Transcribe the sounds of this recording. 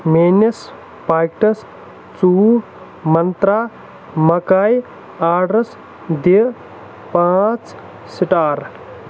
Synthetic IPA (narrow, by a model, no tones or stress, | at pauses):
meːnɐs | paːkʈɐs | t͡suː | mɐnt̪ɾaː | mɐkaːj | aːɖɾɐs | d̪i | pãːt͡s | siʈaːɾ